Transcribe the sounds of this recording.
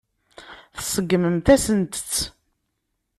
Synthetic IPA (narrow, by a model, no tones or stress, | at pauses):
θsəɡːməmθæsənt̪ə̥t͡sː